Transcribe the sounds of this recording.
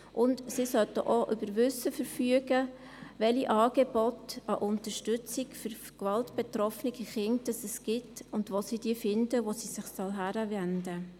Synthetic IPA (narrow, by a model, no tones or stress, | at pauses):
ʔʊndsisœtəʔoʔʏbəɾʋʏsəfəɾfyəɡə | ʋɛliʔɑːɡ̥ɛbɔtɑʔʊntəʃtʏt͡sikføɾ | kʋɑltb̥ɛtɾɔfniɡiχɪnd̥ɑsɛsɡ̥ɪtʊndʋosid̥iːfɪndəʋosisɪχsɔlɦæɾəvɛndə